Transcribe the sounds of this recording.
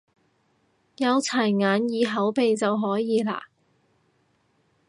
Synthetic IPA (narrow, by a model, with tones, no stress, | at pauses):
jɐ˨˧wt͡sʰɐ˨˩jŋaː˨˧njiː˨˧ɦɐ˨˥wpe˨jt͡sɐ˨wɦɔː˨˥jiː˨˧la̰ː˧˩